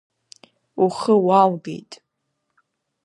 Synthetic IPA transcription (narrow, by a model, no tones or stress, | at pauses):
uχəwalɡḛjtʼ